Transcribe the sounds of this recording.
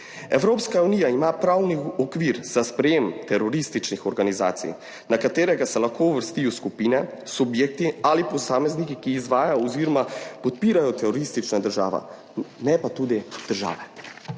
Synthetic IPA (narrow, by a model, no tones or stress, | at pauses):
ɛwɾoːpskauniːjaimapɾawniɔkʋiːɾz̥aspɾɛjeːmt̪ɛɾɔɾist̪it͡ʃnixɔɾɡaniza̰ːt̪sḭj | nakat̪eːɾɛɡasɛlaxkʰouʋəɾst̪ijɔskupiːnɛsubjeːk̚t̪ialipɔsaːmɛznikikiːzʋaːjaɔziːɾɔmapɔt̪̚piːɾajɔt̪ɛɾɔɾist̪it͡ʃnad̪əɾʒa̰ːʋa̰ | nɛpat̪uːd̪id̪̥əɾʒa̰ːʋɛ